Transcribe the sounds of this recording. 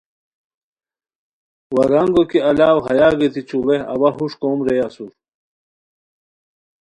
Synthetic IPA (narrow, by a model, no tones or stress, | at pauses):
wɐɡaŋɡokiɐlaːwɦɐjaːɡɐt̪ʰit͡ɕʰubeɐ̰wɐɦuʂkoːmɾejasuɾ